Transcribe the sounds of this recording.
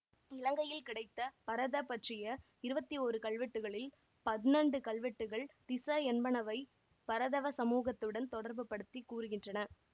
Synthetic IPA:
ɪlɐŋɡɐjɪlkɪɽɐɪt̪ːɐpɐɾɐðɐpːɐʈrɪjɐ | ɪɾɯbɐt̪ːioːɾɯkɐɭʋɛʈːɯɣɐɭɪl | pɐðɪnɐɳɖɯkɐɭʋɪʈːɯɣɐɭt̪ɪsɐɛnbɐnɐʋɐɪ | pɐɾɐðɐʋɐsɐmuːɣɐt̪ːɯɽɐnt̪ɔɽɐɾbɯpːɐɽɯt̪ːikːuːɾɯɣɪndrɐnɐ

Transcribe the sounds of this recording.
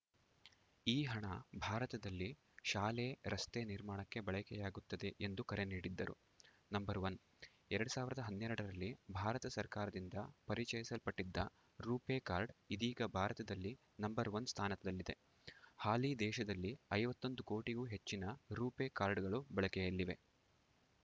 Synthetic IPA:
iːɦɐɳɐbʱaːɾɐt̪ɐd̪ɐlːi | ʃaːleːɾɐst̪eniɾmaːɳɐkːe̞bɐɭɐkɛjaːɡut̪ːɐd̪e̞ʔend̪ukɐɾeniːɽid̪ːɐɾṵ | nɐmbɐɾʋɐn | ɛɾɐɽusaːʋiɾɐd̪ɐɦɐnːɛɾɐɽɐɾɐlːibʱaːɾɐt̪ɐsɐɾkaːɾɐd̪ind̪ɐpɐɾit͡ʃɐjisɐlpɐʈːid̪ːɐ̰ | ɾuːpeːkaːɾɖid̪iːɡɐbʱaːɾɐt̪ɐd̪ɐlːi | nɐmbɐɾʋɐnst̪ʰaːnɐt̪ɐd̪ɐlːid̪e̞ | haːlid̪ɛːʃɐd̪ɐlːiɐjʋɐt̪ːo̞nd̪uko̞ːʈiɡuːɦe̞t͡ʃːinɐɾuːpeːkaːɾɖɡɐɭubɐɭɐkɛjɐlːiʋe̞̰

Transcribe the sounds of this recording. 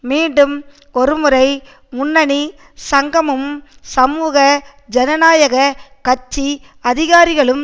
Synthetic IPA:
miːɳɖɯm | ɔɾɯmɯɾɐɪ | mʊnːɐɳi | sɐŋɡɐmɯmsɐmuːɣɐ | d͡ʒɛnɐnaːjɐɣɐkɐt͡ʃːi | ɐðɪɣaːɾɪɣɐɭɯm

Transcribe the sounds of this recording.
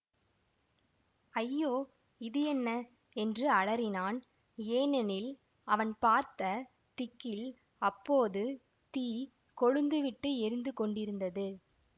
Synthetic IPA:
ɐjːoː | ɪðɯɛnːɐ | ɛndrɯɐɭɐɾɪnaːn | eːnɐnɪl | ɐʋɐnpaːɾt̪ɐ | t̪ɪkːɪl | ɐpːoːðɯ | t̪iː | kɔɻɯnd̪ɯʋɪʈːɯɛɾɯnd̪ɯkɔɳɖɪɾɯnd̪ɐðɯ

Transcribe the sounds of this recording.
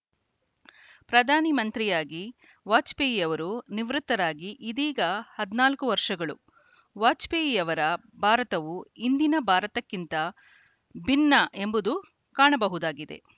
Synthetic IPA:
pɾɐd̪ʱaːnimɐnt̪ɾijaːɡi | ʋaːt͡ʃpeːjijɐʋɐɾuniʋɾut̪ːɐɾaːɡiʔid̪iːɡɐhɐd̪naːlkuʋɐɾʂɐɡɐɭṵ | ʋaːt͡ʃpejijɐʋɐɾɐ | bʱaːɾɐt̪ɐʋuind̪inɐbʱaːɾɐt̪ɐkːint̪ɐ | bʱinːɐʔe̞mbud̪u | kaːɳɐbɐɦud̪aːɡid̪e̞̰

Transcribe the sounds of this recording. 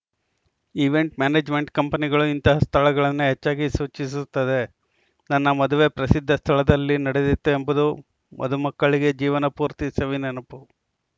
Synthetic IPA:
iʋe̞ɳʈmaːneːd͡ʒme̞ɳʈkɐmpɐniɡɐɭuint̪ɐɦɐst̪ʰɐɭɐɡɐɭɐnːuɦet͡ʃːaːɡisuːt͡ʃis̬ut̪ːɐd̪e̞ | nɐnːɐmɐd̪uʋe̞pɾɐsid̪ʱːɐst̪ʰɐɭɐd̪ɐlːinɐɽed̪it̪ːuembud̪u | mʔɐ̰d̪umɐkːɐɭiɡe̞d͡ʒiːʋɐnɐpuːɾt̪isɐʋinenɐpu

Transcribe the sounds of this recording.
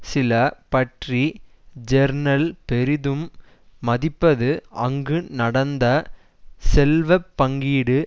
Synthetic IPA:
sɪlɐpɐʈri | d͡ʒɛɾnɐlpɛɾɪðɯmː | ɐðɪpːɐðɯʔɐŋɡɯnɐɽɐnd̪ɐ | sɛlʋɐpːɐŋɡiːɽɯ

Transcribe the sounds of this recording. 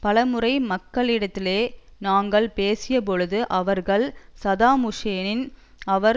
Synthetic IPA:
pɐlɐmɯrɐɪmɐkːɐɭɪɽɐt̪ːɪleːnaːŋɡɐɭpeːsɪjɐp̬ɔɻɯðɯʔɐʋɐɾɣɐɭsɐðaːmʊʂeːnɪn | ɐʋɐɾ

